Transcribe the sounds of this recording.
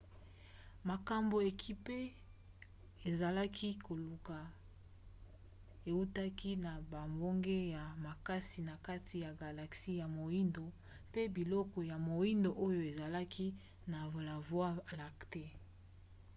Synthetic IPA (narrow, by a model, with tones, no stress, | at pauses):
ma˨ka˨mbo˨e˨kʰi˦pe˦ | e˨za˨la˦kʰi˦ko˨lu˨ka˨ | e˨u˦ta˦ki˦na˨ba˨mbo˦ŋɡe˦ja˨ma˨ka˦si˨na˨ka˦tʰi˨ja˨ɡa˨la˨ksi˦ja˨mo˨i˦ndo˨ | pe˦bi˨lɔ˦kɔ˨ja˨mo˨i˦ndo˨ʔo˦jo˨e˨za˨la˦kʰi˦ | na˨la˨vwa˦˨la˨kte˦